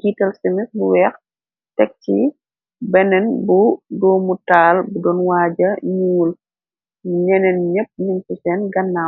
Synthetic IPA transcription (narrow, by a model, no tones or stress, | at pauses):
ɡiːtɐlsimisbuwɛx | tɛk̚ci | bɛnɛnbudɔːmutaːlbudɔnwaːɟɐɲuːl | ɲɛnɛnɲəp̚ɲunfusɛnɡɐnːa